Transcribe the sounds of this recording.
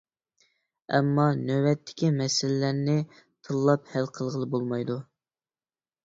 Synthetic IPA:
ɛ̰mːɑnøwɛt̪ʰːɪ̥kʲimɛsɪlɪlæɾnɪ | t̪ʰɨlˠːɑphælqʰəlˠʁəlˠɨbolˠmɑjd̪u

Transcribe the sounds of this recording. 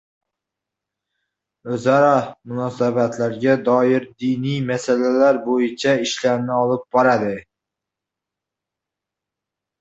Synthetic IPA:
ɵzaɾɑmʊnɒsabat̪ʰlaɾɡʲad̪ɒjɪɾd̪inijmasalalaɾbojɪt͡ʃʰaɪʃlaɾnɪɒlˠɪp̚bɒɾad̪ɪ

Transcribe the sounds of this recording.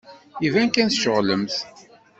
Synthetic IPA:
ivæŋkænθʃəʁləmθ

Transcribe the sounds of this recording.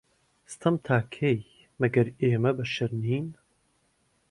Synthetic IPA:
st̪ʰɐmt̪ʰaːkʰej | mɐɡɐɾeːmɐbɐʃɪɾniːn

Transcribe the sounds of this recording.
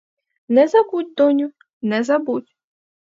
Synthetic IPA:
nɛzɐbut̚ʲd̪ɔnʲʊ | nɛzɐbutʲ

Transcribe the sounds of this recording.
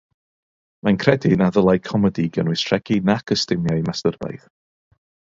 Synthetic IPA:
mankʰrɛdinaðəlˠajkʰɔmɛdiɡənwɨstʰr̥ɛɡ̥inakʰəstɪmjaimastərva̰jð

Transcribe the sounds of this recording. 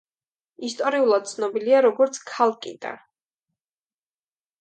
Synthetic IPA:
ist̪ʼɔɾiulˠad̪̥̚t̪sʰnɔbiliaɾɔɡɔɾt̪sʰkʰalˠkʼḭd̪̥a̰

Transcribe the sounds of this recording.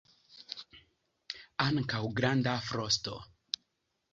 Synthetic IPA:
aŋkawɡɾandafɾosto

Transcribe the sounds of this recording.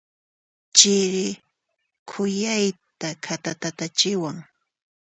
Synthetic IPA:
t͡ʃɪɾɪ | kʰʊjajt̪akʰat̪at̪at̪at͡ʃɪwaŋ

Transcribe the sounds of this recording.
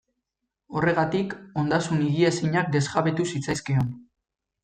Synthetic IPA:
o̞re̞ɣ̞at̪iko̞nd̪asuniɣiesiɲak̚d̪e̞zɣaβe̞t̪usit͡sajskeo̞n

